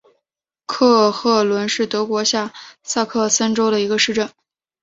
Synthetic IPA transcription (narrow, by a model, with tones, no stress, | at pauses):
kʰɤ˥˧xɤ˥˩lwə˧˥nʂɻ̩˥˩t̪ɤ˧˥kwɔ˧˥ɕja˥˩sa˥˧kʰɤ˥˩sə˥nʈ͡ʂo˥ʊɾə˨i˧˥ɡə˧ʂɻ̩˥˧ʈ͡ʂə˥˩n